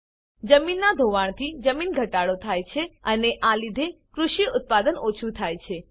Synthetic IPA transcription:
d͡ʒəminːad̪ʱoʋaɳ̃t̪ʰid͡ʒəminɡʱəʈaɽot̪ʰajt͡ʃʰeəneʔalid̪ʱekɾuʃiʊt̪̚pad̪ənot͡ʃʰut̪ʰajt͡ʃʰe

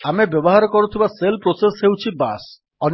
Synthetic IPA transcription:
amebjɔbɔɦaɾkɔɾut̪ʰibaselpɾosesɦewt͡ʃʰibas | ɔn

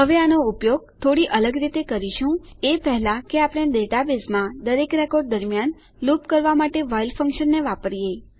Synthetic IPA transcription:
ɦəʋeanoupjoɡ̚t̪ʰoɽiʔələɡɾit̪ekəɾiʃũepɛɦlakeapɽ̃ed̪eʈabesmãd̪əɾekɾekoɾɖ̚d̪əɾmijan | lupkəɾʋamaʈeʋajilfə̃ŋkʃənːeʋapəɾije

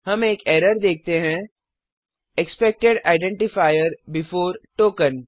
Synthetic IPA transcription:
hɐmeːkɛːɾəɾd̪eːk̚t̪eɦɛ̃ | ekspek̚ʈeɖaːɪɖɛ̃ɳʈɪfaːɪəɾbɪfoːɾʈoːkə̃n

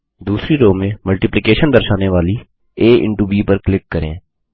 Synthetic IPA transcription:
d̪uːsɾiɾoːmẽːməlʈɪplɪkeːʃənd̪əɾʃaːneʋaːli | eːʔɪ̰̃ɳʈuːbiːpəɾklɪkːəɾḛ̃ː

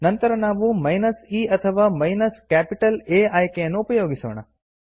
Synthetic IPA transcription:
nɐnt̪ɐɾɐnaːʋumɐjnɐsiːɐt̪ʰɐʋaːmɐjnɐskæːpiʈɐleːajkejɐnːuːpɐjoːɡiso̰ːɳ̃ɐ̰

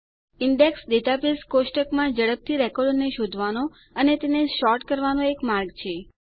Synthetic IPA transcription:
ɪɳɖeksɖeʈapiskoʃʈəkmãd͡ʒəɽəp̚t̪ʰiɾɛkɔɖneʃod̪ʱʋano | ənet̪eneʃɔʈkəɾʋanoekmaɾɡt͡ʃʰe

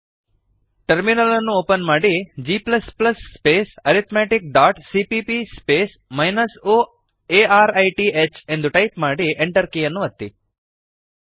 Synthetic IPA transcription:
ʈɐɾminɐlɐnːuoːpɐnmaːɽid͡ʒiːplɐsplɐsːpeːsɐɾit̪ʰmeːʈik̚ɖaːʈsipipispeːs | mɐjnɐsoː | eːaːɾɐjʈiet͡ʃe̞nd̪uʈɐjpmaːɽieɳʈɐɾkijɐnːuɐt̪ːi

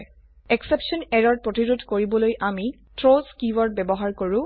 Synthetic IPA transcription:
ɛksepsɔnɛɹɔɹpɹotiɹudʱkoɹibɔlojʔami | tɹoskiwɔɹ̚bɛbɔɦaɹkoɹʊ̃

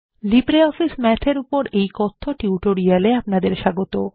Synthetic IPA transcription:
libɾeɔfismɛtʰeɾupoɾejkɔt̪ʰːoʈiuʈoɾialeapnad̪eɾʃaɡot̪o

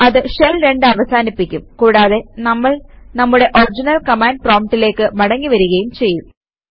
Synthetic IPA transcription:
ɐðɨɕelɾe̞ɳɖɨɐʋɐsaːnipːikʲːumkuːɽaːðe̞nɐmːɐɭnɐmːuɽe̞ʔord͡ʑinɐlkɐmaːnɖ̚proːmtːile̞ːkːɨmɐɽɐŋːiʋɐɾuɣɐjumt͡ɕe̞jːum

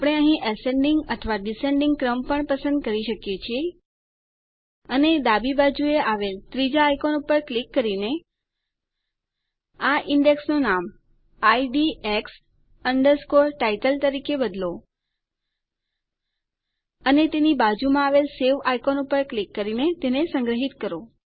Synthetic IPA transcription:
apɽ̃eəɦĩʔəsẽɳɖĩŋɡət̪ʰʋaɖisẽɳɖiŋɡ̚kɾəmpəɳpəsə̃nd̪̚kəɾiʃəkjet͡ʃʰie | əned̪abibad͡ʒueaʋelt̪ɾid͡ʒaːjkonupəɾklikːəɾine | aʔɪɳɖeksnonam | aiɖieks | əɳɖəɾskoɾʈaiʈəlt̪əɾikebəd̪lo | ənet̪enibad͡ʒumãaʋelseʋajkonupəɾklikːəɾinet̪enesə̃ŋɡɾəɦit̪kəɾo

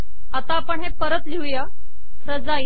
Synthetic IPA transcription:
at̪aːpəɳɦepəɾət̪liwja | sɾəd͡zai

